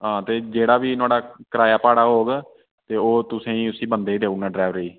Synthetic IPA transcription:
ɦãːt̪eːd͡ʒeːɽaːbiːnʊaːɽaːkəɾaːjaːpaːɽaːɦoːɡ | t̪eːoːt̪ʊsẽːĩːʊsĩːbə̃nd̪eːid̪eːunãːɖɾɛːʋɾəiː

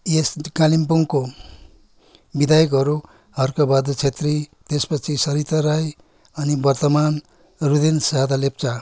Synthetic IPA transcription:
jeskalimpuŋko | bid̪ajʌk̬ɦʌɾu | ʌrkabad̪ot͡sʰet̪rit̪espʌt͡sʰisʌɾit̪ʌɾaj | ʌnibʌrt̪ʌman | rud̪ensad̪alept͡sa

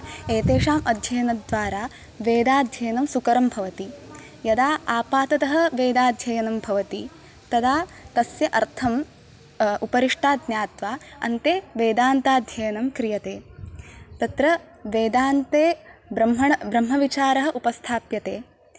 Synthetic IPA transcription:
eːt̪eːʂaːmɐd̪ʱjɐjɐnɐd̪ʋaːɾaː | ʋeːd̪aːd̪ʱjɐjɐnɐmsukɐɾɐmbʱɐʋɐt̪i | jɐd̪aːaːpaːt̪ɐt̪ɐɦɐ̆ʋeːd̪aːd̪ʱjɐjɐnɐmbʱɐʋɐt̪i | t̪ɐd̪aːt̪ɐsjɐʔɐɾt̪ʰɐm | upɐɾiʂʈaːd̪̚njaːt̪ʋaːɐ̰nt̪eːʋeːd̪aːnt̪aːd̪ʱjɐjɐnɐmkɾijɐt̪eː | t̪ɐt̪ɾɐ | ʋeːd̪aːnt̪eːbɾɐmɦɐɳɐbɾɐmɦɐʋit͡ʃaːɾɐɦɐ̆ʔupɐst̪ʰaːpjɐt̪eː

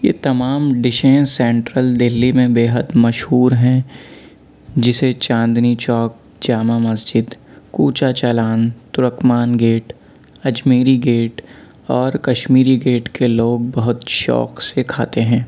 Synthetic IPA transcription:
jeːt̪ɐmaːmɖɪʃẽsɛ̃ːɳʈɾəld̪ɪlːimẽbeːɦəd̪mɐʃhuːɾɦɛ̃ | d͡ʒɪset͡ʃãːnd̪nit͡ʃɔːk̚ | d͡ʒaːmamɐsd͡ʒɪd̪kuːt͡ʃat͡ʃɐlaːnt̪ʊɾəkmaːnɡeːʈ | ɐd͡ʒmiːɾiɡeːʈ | ɔːɾkɐʃmiːɾiɡeːʈkeloːɡ̚bɐɦʊt̪ʃɔ̰ːksekʰaːt̪eɦɛ̃ː

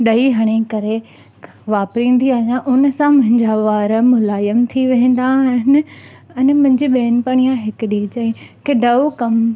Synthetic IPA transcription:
ɗɐiɦɐɽ̃ekɐɾe | ʋaːpɾĩːn̆d̪iaːɦijãʔʊnəsãmʊ̃ɦɪ̃ɲd͡ʑaʋaːɾmʊlaːjəmt̪ʰiʋɐ̃ɦɪ̃n̆d̪aɦɪnɪ | ɐnmʊ̃ɦɪ̃ɲd͡ʑiɓeːnpaːɽ̃ijãɦɪkʊɗit͡ɕɐĩkeɖɐokɐm

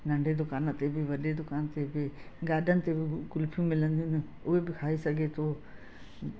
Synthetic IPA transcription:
nɐ̃ɳɖʱed̪ʊkaːnə̆t̪ebɪʋɐɗed̪ʊkaːnt̪ebɪɡaːɗʱənɪ̆t̪ebɪkʊlpʰjũmɪlə̃nd̪iʊnɪ | ʊɦebɪkʰaːisɐɡʱet̪ʰoː

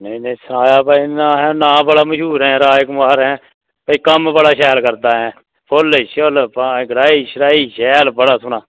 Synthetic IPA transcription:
nəĩnəĩsənaːjaːpaːinaːɦɛ̃ːnãːbəɽaːməʃuːɾɦɛ̃ːɾaːjkʊmaːɾɦɛ̃ː | paːiːkəmbəɽaːʃɛːlkəɾd̪aːɦɛ̃ː | pʰolʃəlpaɡəɾaːiːʃəɾaːiːʃɛːlbəɽaːsʊnaː

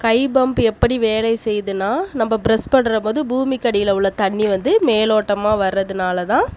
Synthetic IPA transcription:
kɐɪbɐmbɯɛpːɐɽiʋeːlɐɪsɛjːðɯnːaːnɐmːɐbɾɐspɐɳːɯɾɐpoːðɯbuːmikːɐɽɪjɪlɐʊɭːɐt̪ɐɳːiʋɐnd̪ɯmeːloːʈːɐmaːʋɐɾːɐðɯnaːlɐt̪ãː

